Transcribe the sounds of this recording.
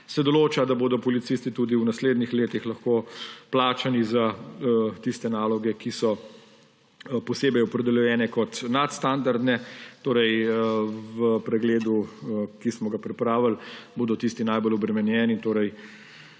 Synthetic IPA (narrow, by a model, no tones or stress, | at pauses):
sɛd̪ɔloːt͡ʃad̪aboːd̪ɔpɔlit̪sist̪it̪uːd̪iwnasleːd̪nixleːt̪ixlɐxkoːplaːt͡ʃaniza | t̪ist̪ɛnaːlɔɡɛkisɔ | pɔseːbɛjɔpɾɛd̪ɛljɔjɛːnɛkɔt̪nat̪st̪and̪aɾd̪nɛt̪oːɾɛj | ʋəpɾɛɡleːd̪ukismɔɡapɾɛpɾaːʋəlboːd̪ɔt̪ist̪inajbolɔbɾɛmɛnjɛːnit̪oːɾɛj